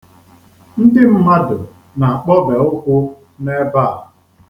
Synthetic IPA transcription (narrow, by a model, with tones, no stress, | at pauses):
n̩˦dɪ˦m̩˦ma˦dʊ˨ | na˨k͡pɔ˦be˨ʊ˦kʷʊ˦ | ne˦ba˦˨